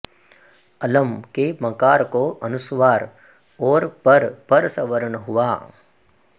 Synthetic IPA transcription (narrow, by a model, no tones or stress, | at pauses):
ɐləmkemɐkaːɾkoʔɐnʊsʋaːɾ | ɔːɾpɐɾpɐɾsɐʋəɾəɳɦʊʋaː